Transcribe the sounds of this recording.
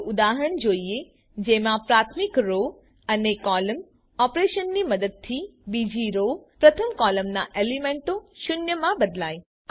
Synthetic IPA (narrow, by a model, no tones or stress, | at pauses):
ud̪aɦəɳd͡ʒoie | d͡ʒemãpɾat̪ʰmikɾo | ənekɔləm | ɔpɾeʃənːiməd̪əd̪̚t̪ʰːibid͡ʒiɾopɾət̪ʰəmkɔləmnaʔelimeɳʈoʃʊnjəmãbəd̪laj